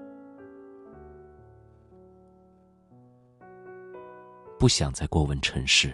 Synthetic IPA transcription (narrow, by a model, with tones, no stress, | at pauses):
pu˥˩ɕjɑ̰˨˩ŋt͡sa˥˧ɪkwɔ˥˩wə˧˥nʈ͡ʂʰɤ˧˥ŋʂɻ̩˥˩